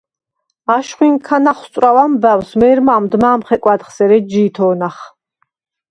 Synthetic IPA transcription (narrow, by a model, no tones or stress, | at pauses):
aʃχwiŋkʰanaχst̪ʼɾawamvɛwsmɛːɾmaːmd̪maːmχɛkʼwad̪χsɛɾɛd͡ʒiːt̪ʰɔːnaχ